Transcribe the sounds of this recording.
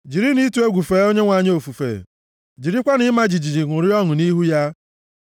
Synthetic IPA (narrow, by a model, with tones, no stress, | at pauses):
d͡ʒi˨ɾi˦ni˦tu˨˦e˦ɡʷu˨feː˨˦o˦ɲe˦ŋʷa˨ɲ˦o˨fu˨fḛ˨ | d͡ʒi˨ɾi˦kʷa˦ni˦ma˦d͡ʒi˨d͡ʒi˨d͡ʒi˨ŋʷʊ˨ɾi˦ɔ˦ŋʊ˨ni˦ɦu˦ja˦